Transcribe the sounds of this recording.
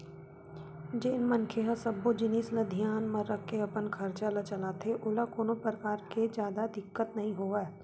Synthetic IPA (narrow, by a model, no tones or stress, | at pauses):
d͡ʒenmɐnkʰeɦasɐbːod͡ʒɪniːsləd̪ʱijaːnmɐɾɐkʰːeɐpənkʰɐɾt͡ʃalat͡ʃɐlat̪ʰeʔʊlakoːnopɾəkaːɾked͡ʒjaːd̪ad̪ɪkːət̪nɐɦĩɦoːaː